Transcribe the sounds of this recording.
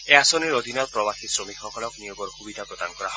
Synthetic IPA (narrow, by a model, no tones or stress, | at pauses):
easoniɾod̪ʱinalpɾɔbaxisɾomikxɔkʰɔlɔknijoɡɔɾhubid̪ʱapɾɔd̪ankɔɾaɦɔ